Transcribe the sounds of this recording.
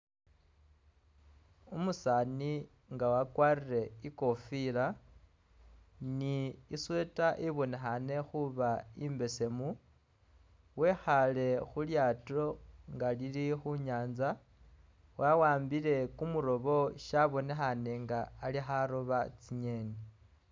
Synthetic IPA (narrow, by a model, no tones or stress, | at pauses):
umusani | ŋɡawakwarire̞iko̞fila | niːswe̞taʔiβo̞nexane̞xuβaimbe̞se̞mu | we̞xale̞xuljato̞ŋɡalilixuɲaːnza | wawaːmbile̞kumuɾo̞βo̞ʃaβo̞ne̞xane̞ŋɡaːlixaɾoβat͡siɲeːni